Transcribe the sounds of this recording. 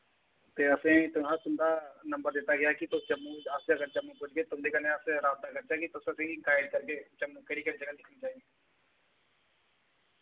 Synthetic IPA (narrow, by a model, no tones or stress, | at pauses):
t̪eːɐsẽt̪ʊmat̪ʊmd̪anɐ̃mbəɾd̪eːt̪aɡɐjakit̪ot͡ʃəmːuəseɐɡəɾt͡ʃɐmːupʊd͡ʒket̪ʊmd̪ekɐneɐseɾaːb̚t̪akɐɾt͡ʃakit̪osesẽikaːɪɖkɐɾket͡ʃɐmːukeɾikəɾid͡ʒəɡəld̪ɪkʰnit͡ʃaːie